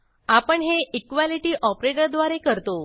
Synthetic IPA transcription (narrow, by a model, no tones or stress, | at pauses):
apəɳɦeikʋaliʈiːʔɔpɾeʈəɾd̪ʋaɾekəɾt̪o